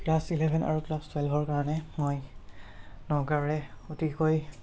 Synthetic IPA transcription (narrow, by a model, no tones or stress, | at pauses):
klasilɛbʱɛna̰ɹuklastwɛlbʱɔɹkaɹɔnɛmoj | nɔɡaɹɹɛotikoj